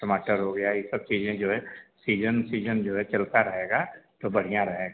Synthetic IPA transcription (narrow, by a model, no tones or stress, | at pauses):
ʈɐmaːʈəɾɦoɡɐjajisɐb̚t͡ʃiːzẽd͡ʒoːɦɛsiːd͡ʒənsiːd͡ʒənd͡ʒoːɦɛt͡ʃɐlt̪aɾɐɦeːɡat̪obɐɽ̤ijãɾɐɦeːɡa